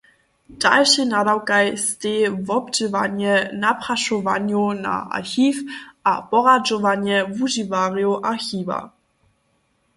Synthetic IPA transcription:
d̥alʃinadawkajst̪eːvɔbd͡ʒəvaɲɛnapɾaʃɔvaɲuna̰ʔa̰ɾxiːfʔapɔʁad͡ʒɔvaɲɛvuʒivaʁjuʔaɾxiːva̰

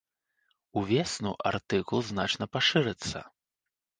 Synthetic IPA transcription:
uvʲɛsnṵʔart̪ɨkulˠznat͡ʂnɐpaʂɨɾɨt̪sːɐ̰

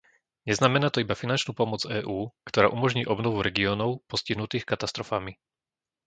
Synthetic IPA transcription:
ɲɛznamɛnaːt̪ɔibafinant͡ʃnuːpɔmɔd͡zɛːʔuːkt̪ɔɾa̰ːʔumɔʒɲiːʔɔbnɔʋuɾɛɡiɔːnɔʊpɔsciɦnut̪iːxkat̪ast̪ɾɔfami

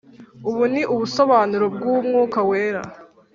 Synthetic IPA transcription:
uβuniʔuβuso̞βaːnuɾo̞b̚ɡuːmŋuːkaweːɾa̰

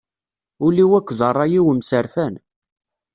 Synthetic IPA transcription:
ʊliwækʷːðərˤːɑjiwəmsəɾfæn

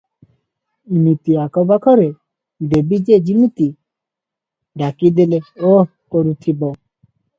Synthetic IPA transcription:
imit̪iakɔbakʰɔɾe | ɖebid͡ʒed͡ʒimit̪i | ɖakid̪eleo | koɾut̪ʰibɔ

